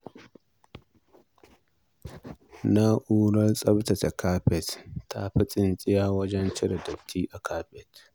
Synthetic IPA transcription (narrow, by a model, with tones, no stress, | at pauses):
na˦ʔuː˦lɐ˦rsʼɐ˦bta˨ta˨kʰaː˦ɸɛ˨tːʰa̰˦ɸɐ˦t͡sʼɪ˨nt͡sʼɪ˦jaː˦wɐ˦d͡ʒɛ˦nt͡ʃɪ˦ɾɐ˨dɐ˨btʰiː˦ʔa˨kʰaː˦ɸɛ˨t